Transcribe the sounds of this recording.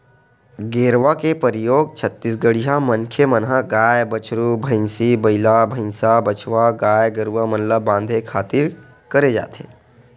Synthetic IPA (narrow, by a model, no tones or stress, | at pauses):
ɡeːɾʋakepəɾɪjoːɡ̚t͡ʃʰət̪ːisɡəɽiɦamənkʰemənɦaɡaːjbət͡ʃɾubʱə̃ɪnsibəɪlabʱə̃ɪnsabət͡ʃʰʋaɡaːjɡəɾʋamə̃nləbãːnd̪ʱekʰaːt̪ɪɾ | kəɾed͡ʒa̰ːt̪eː